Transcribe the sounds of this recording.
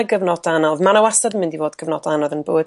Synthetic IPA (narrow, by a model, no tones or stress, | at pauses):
ɡəvnɔdanɔðmanawasadəmɪ̃ndivoːdɡ̥əvnɔ̰danɔðənboːd